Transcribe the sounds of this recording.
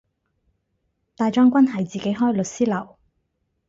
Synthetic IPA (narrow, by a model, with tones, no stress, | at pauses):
t̪aː˨jt͡ʃɔː˥ŋkʷɐ˥nɦɐ˨˩jt͡siː˨ke˨˥jɦɔː˥jlɵ˨t̚siː˥lɐ˨˩w